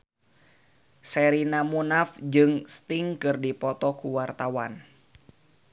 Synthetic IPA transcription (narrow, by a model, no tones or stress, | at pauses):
sɛɾinamunafd͡ʒɨŋst̪iŋkɨrdipɔt̪ɔkuwart̪awan